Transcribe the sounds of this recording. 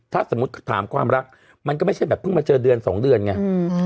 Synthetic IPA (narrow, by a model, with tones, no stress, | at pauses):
t̪ʰaː˥˩so˩˦mu˦˥t̪̚kʰt̪ʰaː˩˦mkʰwaː˧mɾa˦˥k̚ | ma˧nkɔː˥˩ma˥˩jt͡ɕʰa˥˩jbɛː˨˩pʰɯ˥˩ŋmaː˧t͡ɕɤː˧dɯ˧ənsɔː˩˦ŋdɯ˧ənŋa˧˥